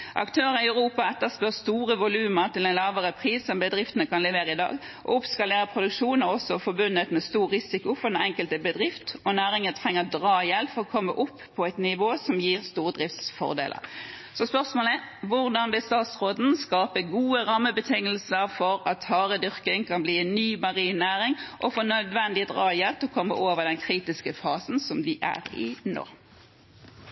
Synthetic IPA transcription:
ʔɑ̰kt̪ʰøːʁəɪœʉʁuːpɑɛt̪ːəspøːʁst̪uːʁəʋʊlʉːməʁt̪ɪlɛɪnlɑːʋəʁəpʰʁiːsɔmbəd̪ʁɪft̪ənəkɑnlɛʋeːʁəɪd̪ɑ̰ːɡ | ʔɔ̰ʊpskɑleːʁəpʰʁʊd̪ʉkʂuːnɔɔsɔfɔbʉnːət̪mɛst̪uːɾɪsɪkʊfɔɾɛɛŋkəlt̪əbəd̪ʁɪft̪ɔnæːʁɪŋət̪ʰʁɛŋːəd̪ʁɑːjɛlfɔʁɔkʰɔmːə̰ʔʊpʰːɔæɪt̪nɪʋoːsɔmjiːʁst̪uːʁəd̪ʁɪft̪sfɔ̰ʁd̪ḛːlə̰ɾ | sɔspœʁsmoːləʋʊʁd̪ɑnʋɪlst̪ɑːt̪sʁoːd̪n̩skɑːpəɡuːəʁɑmːəbət̪ʰɪŋəlsəʁfɔɾɑt̪hɑːʁəd̪ʏʁkɪŋkʰɑnbliːɛnːyːmɑʁiːnnæːʁɪŋʔɔfoːnœd̪ʋɛnd̪ɪd̪ʁɑːjɛlt̪ʰɔkʰɔmːə̰ʔoːʋəd̪ɛnkʰʁiːt̪ɪskəfɑːsn̩sɔmd̪ɪʔæ̰ʁɪ̰no̰ː

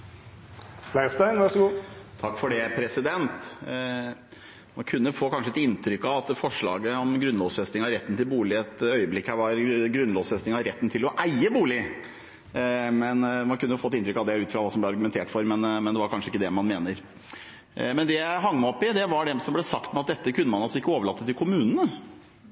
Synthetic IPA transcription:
læɪst̪æɪnʋæʂɔɡuːt̪ʰɑkːfɔɖɛpʰɾɛsɪd̪ɛnt̪ | mɑnkʰʉnːəfoːkʰɑnʂəɛt̪ɪnt̪ʰɾʏkːɑʋɑt̪fɔʂɭɑ̰ːɡəɔmɡɾʉnlɔʋsfɛst̪ɪŋɑɾɛt̪ːn̩t̪ʰɪlbuːlɪɛt̪œʏəblɪkːhæʋɑɾɡɾʉnlɔːʋsfɛst̪ɪŋɑɾɛt̪ːn̩t̪ʰɪlɔʔæɪəbuːlɪ | mɛnmɑnkʉnːəfoːɛt̪ɪnt̪ɾʏkːɑʋd̪ɛæʉːt̪fɾɑʋɑːsɔmblɛɑɾɡʉmɛnt̪ʰeːʈfɔɾmɛnmɛnd̪ɛʋɑɾkʰɑnʂəɪkːəd̪ɛmɑnmeːnəɾ | mɛnd̪ɛjæɪɦɑŋːməɔpːɪd̪ɛʋɑɖɛsɔmblɛsɑkt̪mɛɑt̪̚d̪ɛt̪ːəkʰʉnːəmɑnɑlsɔɪkːəoːʋəɭɑt̪ət̪ːɪlkʰʊmʉːnənə

